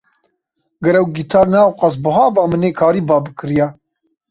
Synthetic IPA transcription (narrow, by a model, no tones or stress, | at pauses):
ɡɐɾɛwɡit̪ʰɑːɾnaːwqɑs̬bɨɦɑːbɑːmɨneːkʰɑːɾiːbɑːbɨkʰɨɾjɛ